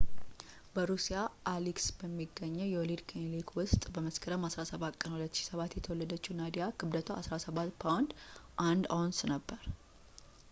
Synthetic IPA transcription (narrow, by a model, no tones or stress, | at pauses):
bəɾusijaʔːliksbəmːiɡːəɲːəwjɛwɔlid̪kʰenlikwʊst̪ʼbəməskʰəɾəmhasɾasəβat̪kʼənhulət̪ːʃi̥səβat̪jɛt̪ʰəwɔlːəd̪ət͡ʃːunad̪ijakʰɨbd̪ət̪ʰoasɾasəβat̪ːpʰawnd̪ʔand̪ansnəbːəɾ